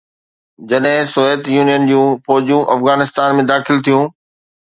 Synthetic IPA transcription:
d͡ʑɐɗɦɪ̃soːeːt̪juːnijənd͡ʑũːfɔːd͡ʑjũʔɐfɣaːnɪst̪aːnmẽd̪aːxɪlt̪ʰijũː

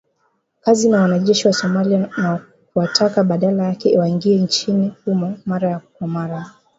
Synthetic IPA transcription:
kazinawanaʄɛʃiwasɔmaliana | kuwatʰakaɓaɗalajakɛiwaiŋɡiɛnt͡ʃinikumamaɾajakwamaɾa

